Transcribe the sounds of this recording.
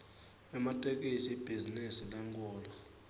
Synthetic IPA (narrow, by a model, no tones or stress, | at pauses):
ɛmatʼɛkʼisiib̥ʱizinisilɛŋkʼɔːlɔ